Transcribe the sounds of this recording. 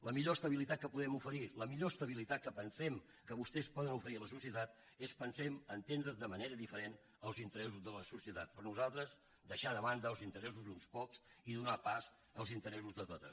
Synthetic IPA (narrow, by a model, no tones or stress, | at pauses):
ləmiʎoəst̪əβilit̪at̪̚kəpuðɛmufəɾiləmiʎoəst̪əβ̞ilit̪at̪̚kəpənsɛm | kəβust̪ɛspɔðənufəɾiələsusiət̪at̪ | espənsɛməːnt̪end̪ɾəðəməneɾəðifəɾen | əlˠzint̪əɾɛsuzðələsusiət̪at̪̚pəɾnuzalˠt̪ɾəz | d̪əʃaðəβand̪əːlˠzint̪əɾɛs̬uzd̪unspɔksiðunapaz | əlˠzint̪əɾɛsuzðət̪ot̪ə̰